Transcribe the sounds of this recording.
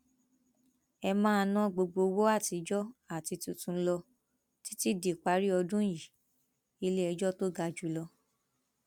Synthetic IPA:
ɛ˧mãː˦˧nã˦ɡ͡bo˧ɡ͡bo˧wo˦a˦˨ti˧d͡ʒɔ˦a˦˨ti˧tu˨tũ˨˦lɔ˧ | ti˦ti˦di˨k͡pa˨˦ɾi˦ɔ˧dũ˦ji˨ | i˧le˦ɛ˧d͡ʒɔ˦to˦ɡa˧d͡ʒu˨˦lɔ˧

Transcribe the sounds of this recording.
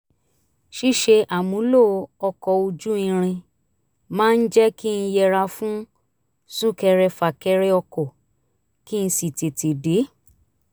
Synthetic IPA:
ʃi˦˨ʃe˧ʔa˨mũ˨˦lo˦˨˧ɔ˧kɔ˧o˧d͡ʒu˦ĩ˧ɾ̃ĩ˧ | mãː˦n̩˦d͡ʒɛ˦ki˦n̩˧jɛ˧ɾa˧fũ˦ | sũ˦kɛ˧ɾɛ˧fa˨kɛ˧ɾɛ˧ɔ˧kɔ˨ | ki˦n̩˧si˨te˨te˨de˨˦

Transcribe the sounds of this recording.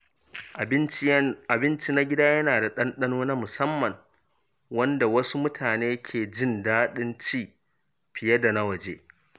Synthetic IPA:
a˨bɪ˦nt͡ʃi˦na˦ɡʲɪ˦daː˦jɐ˦naː˨da˨ɗɐ˦nɗɐ˦noː˦naː˦mʊ˨sɐ˦mːɐ˨ŋ | wɐ˦nda˨wɐ˦su˦mʊ˦tʰaː˨neː˦kʲʰeː˨d͡ʒɪ˦˨ndaː˦ɗɪ˦nt͡ʃiː˦ | ɸɪ˨jɐ˦da˨na˦wɐ˨d͡ʒḛː˦

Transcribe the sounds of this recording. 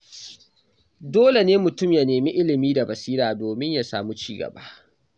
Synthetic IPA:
doː˦le˨neː˦mʊ˨tʊ˦mja˨neː˨mi˦ʔɪ˦lɪ˨miː˦da˨bɐ˨siː˦ɾaː˨doː˨mɪ˦ɲja˨sa̰ː˨mu˦t͡ʃiː˦ɡɐ̰˨ba˦˨ʔ

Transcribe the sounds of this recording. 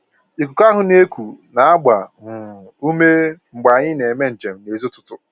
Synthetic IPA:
i˨kʷu˨ka˦ɦʊ˨ne˦kʷu˨na˨a˦ɡ͡ba˨ŋ̩˨u˦me˦ŋ͡m̩˨ɡ͡ba˨ɲɪ˦ne˨me˦n̩˨t͡ʃe˨m̩˦ne˨zu˦tʊ̥˦tʊ˦

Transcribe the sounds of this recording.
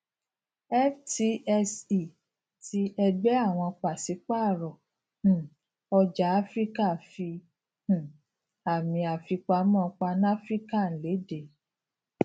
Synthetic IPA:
ɛ˦fti˧ɛ˧si˦˨ | ti˧˦ɛ˧ɡ͡bɛ˦a˦˨w̃ɔ̃˧k͡pa˨si˨˦k͡pa˦˨ɾɔ˨ | h̩˨ | ɔ˧d͡ʒa˨˦a˦fɾi˦ka˦˨fi˧ | h̩˨ | a˨mĩ˧a˨fi˧k͡pa˧˦mɔ̃˦˨˧k͡pa˧ñ˦a˦fɾi˦ka˦˨n̩˨le˨˦de˨

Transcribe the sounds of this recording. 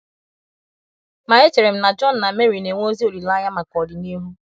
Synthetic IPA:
ma˨e˦t͡ʃe˨ɾe˨m̩˦na˨d͡ʒɔ˦n̩˨na˨me˦ɾi˨ne˨ŋʷ˦o˦zi˦o˨ɾi˨la˦ja˦ma˨kɔ˨dɪ˨ni˦ɦu˦

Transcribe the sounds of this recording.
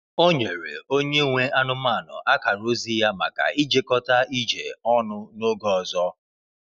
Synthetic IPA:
o˦ɲe˨ɾḛ˨o˦ɲe˦ŋʷe˦a˦nʊ˦ma˦˨nʊ̰˨ʔa˦ka˨ɾo˦zi˦ja˦ma̰˨ka̰˨i˦d͡ʒe˦kɔ˦ta˦i˦d͡ʒḛ˨ɔ˦nʊ˦no˦ɡɔ˦˨zɔ˦

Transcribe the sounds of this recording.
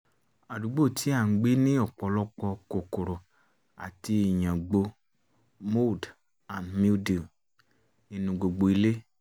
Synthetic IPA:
a˨du˨˦ɡ͡bo˦˨tʰi˨˦a˦˨˦ɡ͡bi˨˦nĩ˦ɔ˦˨k͡pɔ˨˦lɔ˦k͡pɔ˧ko˨ko˨ɾɔ˨ | a̰˨ti˧i˨ɲã˨ɡ͡bo˧ | mo˦˨d | a˨nmi˦di˨ | i˨nũ˨ɡ͡bo˨ɡ͡bo˨i˧le˦

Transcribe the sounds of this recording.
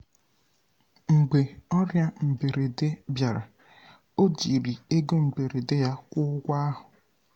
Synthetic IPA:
ŋ͡m̩˨ɡ͡be˨ɔ˦ɾja˦m̩˨be˨ɾe˨de˦bja˨ɾa˨ | o˦di˨ɾi˨e˦ɡo˦m̩˨be˨ɾe˨de˦ja˦kʷʊ˦ʊ˦ɡʷa˦a˦ɦʊ˨

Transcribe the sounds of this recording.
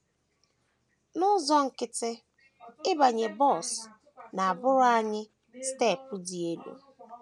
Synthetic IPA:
nʊ˦zɔ˦ŋ̩˨kɪ˨tɪ˦ | ɪ˦ba˨ɲe˨bɔ˦˨s | na˨a˨bʊ˦ɾʊ˦a˦ɲɪ˦ | ste˦˨pʊ˦di˨e˨do̰˨

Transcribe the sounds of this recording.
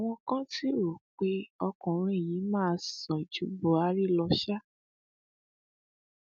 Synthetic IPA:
a˨w̃ɔ̃˧kã˦ti˦˨ɾo˨k͡pe˦ɔ˧kɔ̃˨ɾ̃ũ˦e˦˨ji˨˦mãː˦˧sɔ̃˨i˨d͡ʒu˨˦bo˨˦a˨˦ɾi˦lɔ˧ʃa˦

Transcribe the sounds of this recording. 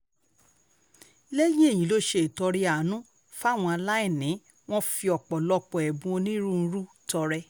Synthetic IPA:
lɛ˦jĩ˦e˦˨jĩ˨˦lo˦ʃe˧˨tɔ˧ɾi˦a˨nũ˦ | fw̃ɔ̃˧a˧la˦ĩ˦˨nĩ˨˦ | w̃ɔ̃˦fi˧ɔ˨k͡pɔ˨lɔ˧k͡pɔ˨ɛ˨bũ˧˦o˧nĩ˦ɾũ˦˧n̩˧˦ɾu˦ | tɔ˧ɾɛ˧

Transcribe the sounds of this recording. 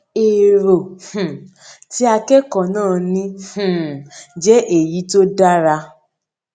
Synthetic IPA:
e˨ɾo˨hũ˨ | ti˦a˧kɛ˦kɔ˨nãː˦˨nĩ˧hũ˨d͡ʒɛ˦ʔe˨ji˨˦to˦da˦ɾa˧

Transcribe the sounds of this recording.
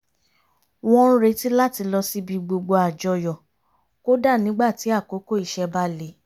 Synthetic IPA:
w̃ɔ̃˦ɾe˨˧˦ti˦la˦˨ti˧lɔ˧si˦bi˧ɡ͡bo˧ɡ͡bo˧a˨d͡ʒɔ˧jɔ˨ | ko˦da˦˨nĩ˨˦ɡ͡ba˦˨ti˨˦a˦˨ko˨˦ko˦˨i˧ʃɛ˧ba˧le˨˦

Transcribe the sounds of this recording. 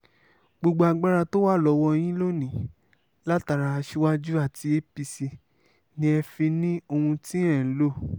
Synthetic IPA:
ɡ͡bo˧ɡ͡bo˧a˧ɡ͡ba˦ɾa˧to˦wa˦˨lɔ˨˧˦wɔ˧j̃ĩ˦lo˦nĩ˨ | la˦ta˧ɾa˧ʃi˧wa˦d͡ʒu˦a˦˨ti˧e˦pi˧si˧ | nĩ˧˦ɛ˧fi˧nĩ˦o˧hũ˧tĩ˦ɛ̃˦˨˦lo˦˨

